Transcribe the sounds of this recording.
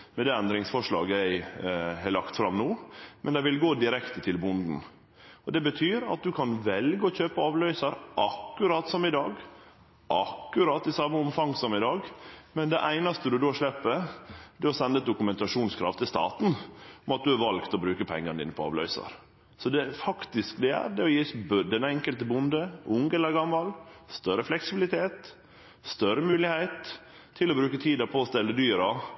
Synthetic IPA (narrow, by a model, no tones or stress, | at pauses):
mɛnd̪ɛːɛnd̪ɾɪŋsfɔʂɭɑ̰ːɡəɛɾhɛlɑkt̪fɾɑmnoːmɛnd̪ɛɪʋɪlɡoːd̪ɪɾɛkt̪ət̪ʰɪlbʊnd̪n̩ | ɔd̪ɛbət̪ʰyːɾɑ̰t̪̚d̪ʉkʰɑnʋɛlɡəɔçøːpəɑːʋlœʏsɑɾʔɑkːʉɾɑt̪ːsɔmɪd̪ɑːɡ | ʔɑkːʉɾɑt̪ːɪsɑmːəɔmfɑŋːsɔmɪd̪ɑːɡmɛnd̪ɛʔæɪnɑst̪əd̪ʉd̪oːʂɭɛpːəd̪ɛɔsɛnːəɛt̪̚d̪ʊkʉmɛnt̪ɑʂuːnskʰɾɑ̰ft̪ʰɪlst̪ɑ̰ːt̪nɔmɑt̪̚d̪ʉæɾʋɑlɡt̪ɔbɾʉːkəpʰɛ̰ŋːənd̪iːnəpʰɔɑ̰ʋlœ̰ʏsɑ̰ɾ | sɔd̪ɛfɑkt̪ɪskd̪ɛæ̰ɾd̪ɛɔjiːsbd̪ɛnɛŋkəlt̪əbʊnd̪əʔʊŋɡɛləɾɡɑmːɑlst̪œɾəflɛksɪbɪlɪt̪ʰeːt̪ | st̪œɾəmʉːlɪhæɪt̪ʰː | ɪlɔbɾʉːkət̪ʰiːd̪ɑpʰɔːst̪ɛlːəd̪yːɾɑ